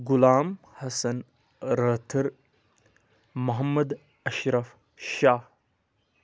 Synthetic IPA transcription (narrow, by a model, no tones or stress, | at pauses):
ɡulaːm | hɐsɐn | ɾɐtʰɨɾ | mɐɦɐmːɐd̪ | ɐʃɾɐf | ʃaːh